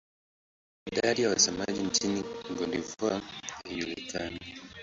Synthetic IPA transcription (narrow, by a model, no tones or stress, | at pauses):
idadijawasamaɟiɲt͡ʃiniɡondivaejulitʰani